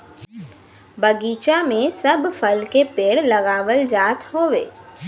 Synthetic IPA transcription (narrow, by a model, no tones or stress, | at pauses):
bəɡiːt͡ʃamẽsəbfəlkepeːɽlɐɡaːʋəld͡ʒaːt̪hoːʋḛː